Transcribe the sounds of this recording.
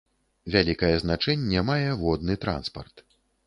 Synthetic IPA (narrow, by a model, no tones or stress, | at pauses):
vʲalʲikɐjɛznat͡ʂɛnʲːɛmajɛvɔd̪nɨt̪ɾa̰nspɐrt̪